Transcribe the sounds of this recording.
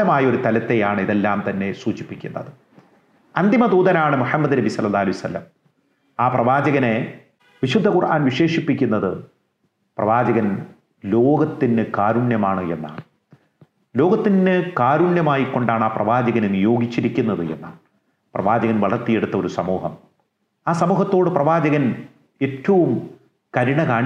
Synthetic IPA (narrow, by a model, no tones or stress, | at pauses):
ɐmaːjɐo̞ɾut̪ɐlɐt̪ːe̞jaːɳɨiðe̞lːaːmt̪ɐnːe̞suːt͡ɕi̥pːikʲːunːɐðɨ | ɐnd̪ʱimɐd̪uːðɐnaːɳɨmuħɐmːɐd̪ɨnɐbisɐlːɐlːaːhɐlɐjɐsɐ̰lːɐ̰m | aːprɐʋaːd͡ʑɐɣɐne̞ | ʋiɕud̪ʱːɐkurʔa̰ːnʋiʂe̞ːʂipːikʲːunːɐðɨ | prɐ̰ʋaːd͡ʑɐɣɐn | lo̞ːɡɐt̪ːinːɨkaːɾuɳjɐmaːɳɨe̞̰nːa̰ːɳɨ | lo̞ːɡɐt̪ːiɨkaːɾuɳjɐmaːjikːo̞ɳɖaːɳaːprɐ̰ʋaːd͡ʑɐɣɐnenijo̞ːɡit͡ɕːiɾikʲːunːɐðɨḛnːa̰ːɳ | prɐ̰ʋaːd͡ʑɐɣɐnʋɐɭɐrt̪ːije̞ɽut̪ːɐo̞ɾusɐmuːɦɐm | aːsɐmuːɦɐt̪ːoːɽɨprɐʋaːd͡ʑɐɣɐn | e̞ːtːɐʋum | kɐɾiɳɐkaːɳ